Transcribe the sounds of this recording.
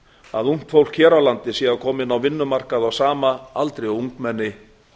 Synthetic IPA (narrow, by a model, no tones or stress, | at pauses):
a̰ðuŋ̥t̪fowl̥cʰɛːɾawlant̪ɪsɛːɣakʰɔːmɪnawvɪnːʏmar̥kaðawsaːmaalt̪ɾejuŋkmɛnːɪ